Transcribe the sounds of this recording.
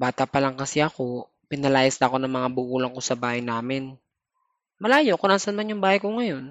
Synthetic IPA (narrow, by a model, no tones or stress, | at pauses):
baːt̪ɐpɐlaŋkɐsɛɐko̞ | pɪnɐlaːjɐsnɐɐko̞nɐŋmɐŋabʊʔuːlɐŋko̞sɐbaːhɐjnaːmɪn | mɐlaːjoʔkonaːsɐnmanjʊŋbaːhɐjkoŋɐjo̞n